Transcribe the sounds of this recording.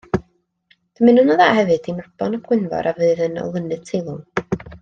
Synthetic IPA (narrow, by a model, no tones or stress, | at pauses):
d̥əmɨnʊnaðaːhɛvɨd̥imrb̥ɔnab̥ɡwɪnvɔ̰ɾʔavɨɨðənɔ̰lˠənɨð̥tʰejlˠʊ